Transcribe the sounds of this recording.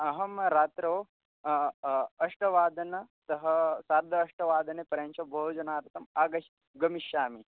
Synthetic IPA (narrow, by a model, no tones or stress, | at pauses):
ɐɦɐmɾaːt̪ɾɐː | ɐʂʈɐʋaːd̪ɐnɐt̪ɐɦɐsaːɾd̪ʱɐːʂʈɐʋaːd̪ʱɐnepɐɾɐnt͡ʃʰɐbʱoːd͡ʒɐnaːɾɐt̪ɐmaːɡɐʃ | ɡɐmiʃaːmi